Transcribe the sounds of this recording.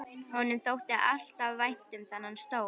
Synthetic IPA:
hɔnːʏmθowht̪ɪa̰l̥t̪avvajn̥t̪ʏmθanːanst̪oːw

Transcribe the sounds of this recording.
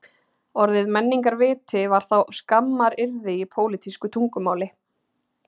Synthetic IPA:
ɔɾðɪðmɛnːiŋkaɾvɪːt̪ɪvaɾ̥θawskamːaɾɪɾðɪipʰoːwlɪt̪ʰiskʏt̪ʰuŋkʏmaːwlɪ

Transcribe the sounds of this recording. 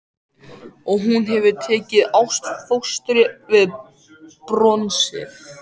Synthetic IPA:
ɔɣɦunɦɛvʏt̪ʰɛːcɪðawst̪fowst̪ɾɪvɪð | pɾɔnsɪ̰θ

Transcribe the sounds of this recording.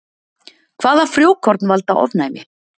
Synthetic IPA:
kʰvaːðḁfɾjoːwkʰɔɾt̪nvalt̪awɔ̰vnaːjmɪ

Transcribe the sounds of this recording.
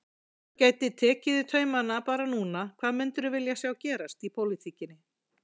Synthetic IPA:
caːjt̪ɪt̪ʰɛːcɪðɪt̪ʰœːɥmanapaːɾanuːnakʰvaːðmʏnt̪ʏɾʏvɪljasjawcɛːɾast̪ipʰowlit̪ʰiːcɪnːɪ

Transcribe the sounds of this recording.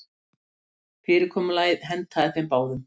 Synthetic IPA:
fɪːɾɪkʰɔːmʏlaːjðɦɛnt̪ʰaðɪθejmpaːwðʏm

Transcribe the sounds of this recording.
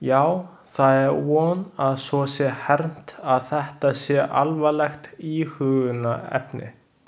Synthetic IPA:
jaːw | θaðɛɾwɔːnaðsɔsjɛhɛɾn̥t̪aðθɛht̪asjɛʔalvalɛxt̪ihʏːɣʏnːaɛ̰pnɪ̰

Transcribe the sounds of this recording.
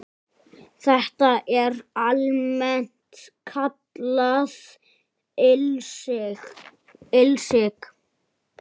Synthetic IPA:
θɛht̪aʔɛɾalmɛn̥t̪kʰat̪lað | s | ɪlsɪk

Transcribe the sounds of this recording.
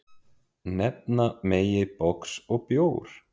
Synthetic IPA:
nɛp̚nameːjɪpɔksɔɣpjoːwɾ̥

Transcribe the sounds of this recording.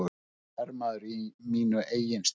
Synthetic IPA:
ɛɾmaðʏɾimiːnʏʔeːjɪns

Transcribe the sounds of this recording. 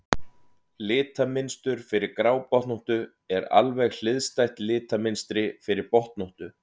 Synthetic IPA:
lɪːt̪amɪnst̪ʏɾ̥fɪɾɪɾkɾaːwpɔht̪nɔht̪ʏ | ɛɾa̰lvɛɣl̥ɪðst̪ajt̪lɪːt̪amɪnst̪ɾɪfɪɾɪɾpɔht̪nɔht̪ʏ

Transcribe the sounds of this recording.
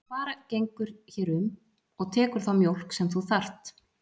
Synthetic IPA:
faːɾacejŋkʏɾ̥çɛːɾʏm | ɔɣt̪ʰɛːkʏɾ̥θawmjowl̥ksɛmθuθar̥t̪

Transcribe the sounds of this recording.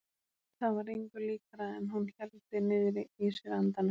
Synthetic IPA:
θaðvaɾejŋkʏɾliːkaɾaɛnhunçɛlt̪ɪnɪːðɾɪisɪɾant̪anɪ

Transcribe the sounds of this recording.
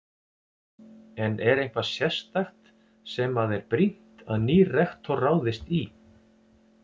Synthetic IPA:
ɛnʔɛɾejnkvḁsjɛst̪axt̪ | sɛmaðɛɾpɾin̥t̪aðniːrɛxt̪ʰɔraːwðɪst̪i

